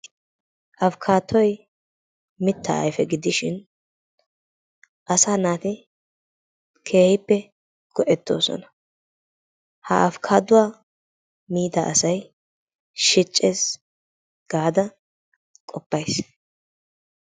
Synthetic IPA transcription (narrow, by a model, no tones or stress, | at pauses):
ʔɐfkʰaːt̪ːɔj | mɪt̪ːɐ̰ɐ̰jfɛɡɪd̪ɪʃɪn | ʔɐsaːnaːt̪ɪ | kʰeːhɪpːɛ | ɡ̥ɔʔɛt̪ːo̞̰ːsɔ̰nɐ̥ | hɐɐfkʰaːd̪ʊwaː | miːd̪ɐʔɐsɐj | ʃɪt͡ʃʼːeːs | ɡ̥aːd̪ɐ | kʼɔpːɐjs